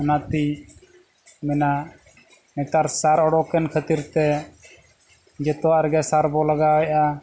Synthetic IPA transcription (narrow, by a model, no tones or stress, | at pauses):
nat̪i | mɛna | mɛt̪aɾsaɾɔɽɔkɛnkʰət̪iɾt̪ɛ | d͡ʒɛt̪ɔwaɾɡɛsaɾbɔlaɡaɔjʔa